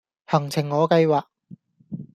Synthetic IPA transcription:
hɐ˨˩ŋt͡sʰɪ˨˩ŋːɔː˨˧kɐ˧jwaː˨k̚

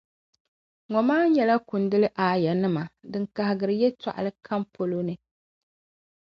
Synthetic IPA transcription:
ŋɔ˨maː˦ɲɛ˨la˦ku˨ndɨ˦lɨ˦ʔaː˨ja˨nɨ˦ma˨dɨ˨ŋka˨hɪ˨ɡɨ˨ɾɨ˨jɛ˦ta̰˨ʔa̰˨lɨ˦kʰa˦mpo˦lo˦nɨ˦

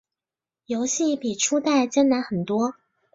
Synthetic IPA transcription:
jo˧˥ʊɕi˥˩pi˨˩ʈ͡ʂʰu˥t̪a˥˩ɪt͡ɕjɛ˥nna˧˥xə˨˩nt̪wɔ˥

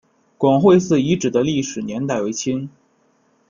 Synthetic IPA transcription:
kwɑ˨˩ŋxwe˥˧ɪsɹ̩˥˩i˧˥ʈ͡ʂɻ̩˨˩d̪ə˦li˥˩ʂɻ̩˨˩njɛ˧˥nt̪a˥˩ɪwe˧˥ɪt͡ɕʰi˥n

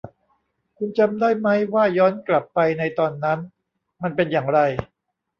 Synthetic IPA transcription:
kʰu˧nt͡ɕa˧mdaː˥˩jma˦˥jwaː˥˩jɔː˦˥nkla˨˩pːa˧jna˧jt̪ɔː˧nːa˦˥n | ma˧npe˧njaː˨˩ŋɾa˧j

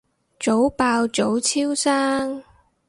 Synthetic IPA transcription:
t͡so˨˥wpaː˧wt͡so˨˥wt͡sʰiː˥wsaː˥ŋ

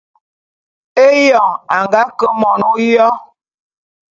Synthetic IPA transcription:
e˦jɔ˨ŋa˨ŋɡa˦kə˦mɔ˨nu˦jɔ˦

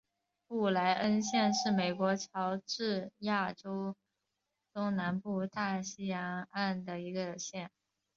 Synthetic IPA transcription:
pu˥˩la˧˥ɪʔə˥nɕjɛ˥˧nʂɻ̩˥˩me˨˩ɪkwɔ˧˥t͡ɕʰjɑ˧˥ʊʈ͡ʂɻ̩˥˧ja˥˩ʈ͡ʂo˥ʊ | t̪ʊ˥ŋna˧˥npu˥˧t̪a˥˩ɕi˥jɑ˧˥ŋa˥˩nd̪ə˩i˧˥ɡə˧ɕjɛ˥˩n

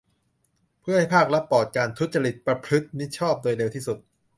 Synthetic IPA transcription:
pʰɯ˥˩əha˥˩jpʰaː˥˩k̚ɾa˦˥pːɔː˨˩t̪̚kaː˧nt̪ʰu˦˥t̪̚t͡ɕa˧ɾi˨˩t̪̚pɾa˧pʰɾɯ˦˥t̪̚ni˦˥t̪̚t͡ɕʰɔː˥˩p̚d̪oː˧jle˧wt̪ʰiː˥˩su˨˩t̪̚

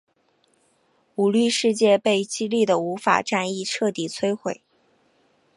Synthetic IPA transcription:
u˨˩ly˥˧ʂɻ̩˥˧t͡ɕjɛ˥˧pe˥˩ɪt͡ɕi˥li˥˩d̪ə˩u˧˥fa̰˨˩ʈ͡ʂa˥˧ni˥˧ʈ͡ʂʰɤ˥˩t̪i˨˩t͡sʰwe˥ɪxwe˨˩˦ɪ

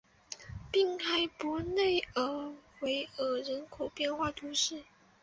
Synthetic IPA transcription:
pi˥˩ŋxa˧˥ɪpu˧˥ne˥˩ɪə˨˩we˧˥ɪə˨˩ɻə˧˥nkʰo˨˩ʊpjɛ˥˧nxwa˥˩t̪ʰu˧˥ʂɻ̩˥˩

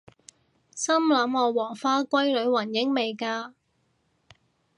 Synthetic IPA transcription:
sɐ˥mlɐ˨˧˥mŋɔː˨˧wɔː˨˩ŋfaː˥kʷɐ˥jlɵ˨˧ɥwɐ˨˩njɪ˨˥ŋme˨jkaː˧

